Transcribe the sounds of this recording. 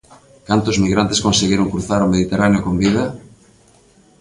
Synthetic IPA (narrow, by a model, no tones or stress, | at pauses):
kant̪ozmiɣɾant̪eskonseɣjeɾoŋkɾuθaɾomeð̞it̪eraneokombið̞a